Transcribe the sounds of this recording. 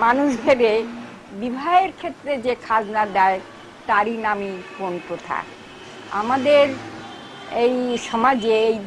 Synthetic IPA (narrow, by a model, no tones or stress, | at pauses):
manuʃbʱebe | bibʱaeɾkʰet̪ːɾed͡ʑekʰad͡ʑnad̪ɛe | t̪aɾinamikont̪ot̪ʰa̰k | a̰mad̪eɾ | ejʃɔmad͡ʑeej